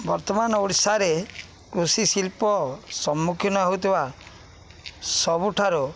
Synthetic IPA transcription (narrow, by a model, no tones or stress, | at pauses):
bɔɾt̪ɔmanɔuɽsaɾe | kɾusisilpɔsɔmːukʰjiɔnɔaɦut̪ʰiba | sɔbuʈʰaɾɔ